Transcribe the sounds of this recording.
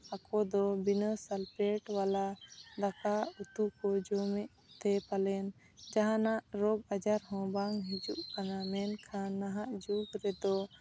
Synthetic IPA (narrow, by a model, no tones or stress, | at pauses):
akɔd̪ɔbinəsalpɛʈwalad̪akaut̪ukɔd͡ʒɔmɛʔ | t̪ɛpalɛn | d͡ʒaɦanaʔɾɔɡad͡ʒaɾɦɔ̃baŋɦid͡ʒuʔkanamɛnkʰãnːaɦaʔd͡ʒuɡɾɛd̪ɔ